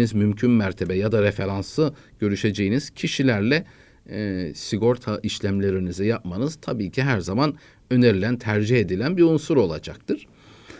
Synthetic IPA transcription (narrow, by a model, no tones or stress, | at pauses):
izmymcʰynmæɾt̪ʰe̞bɛjad̪aɾefe̞ɾansɯ | ɟ̥ø̞ɾyʃe̞d͡ʒejiniz̥cʰiʃilʲæɾlʲɛ | siɡo̞ɾt̪ʰaʔiʃlʲæmlʲe̞ɾinizɛjapmanɯz̥t̪ʰabiːcʰiɦæɾzaman | ø̞ne̞ɾilʲænt̪ʰæɾd͡ʒihe̞d̪ilʲænbiunsuɾo̞lˠa̰d͡ʒak̚t̪ʰɯɾ̥